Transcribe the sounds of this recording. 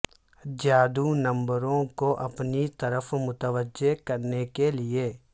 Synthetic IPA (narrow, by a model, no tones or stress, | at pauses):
d͡ʒjaːd̪unɐ̃mbəɾõkoʔɐpnit̪əɾəfmʊt̪əʋəd͡ʒekɐɾnekelieː